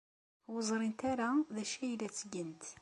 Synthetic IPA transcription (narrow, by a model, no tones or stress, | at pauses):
wəzˤɾint̪æɾaðæʃæjlæt͡sːəɡənt̪